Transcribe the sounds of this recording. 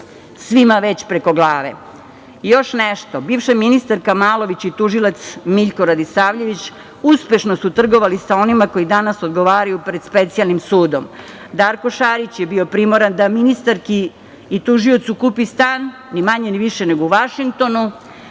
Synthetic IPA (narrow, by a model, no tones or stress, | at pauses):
sʋimaʋe̞t͡ɕpɾeko̞ɡlˠaːʋe̞̰ | jo̞ʃneʃt̪o̞biːʋʃaminist̪aɾkamaːlˠo̞ʋit͡ɕit̪uʒilat̪smiʎko̞ɾad̪isaːʋʎe̞ʋit͡ɕ | uspe̞ʃnosut̪r̩ɡo̞ʋalisao̞nimako̞jid̪anasod̪ɡo̞ʋaːɾajupɾed̪̥spe̞t̪sialˠnimsuːd̪om | d̪aːɾko̞ʃaɾit͡ɕjebio̞pɾimoɾand̪aminist̪aɾkiː | t̪uʒiot̪sukupist̪aːnː | imaɲeniʋiʃeneɡouʋaʃiŋk̚t̪o̞nu